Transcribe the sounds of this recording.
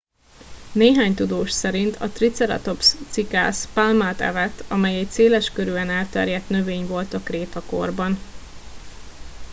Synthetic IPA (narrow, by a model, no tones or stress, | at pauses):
neːɦaːɲt̪ud̪oːʃsɛɾint̪ʰɒ̰t̪rit̪sɛɾɒ̰t̪o̞pst̪sika̰ːspalmaːt̪ɛ̰vɛt̪ːɒmɛjɛc̚seːlɛʃkøɾyɛnɛlt̪ɛ̰rjɛt̪nø̞veːɲvo̞lt̪ɒkreːt̪ɒko̞̰rbɒn